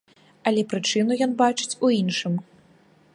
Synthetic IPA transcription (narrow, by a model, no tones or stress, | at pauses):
ɐlʲɛpɾɨt͡ʂɨnujɔnbat͡ʂɨ̥t͡sʲuinʂɨm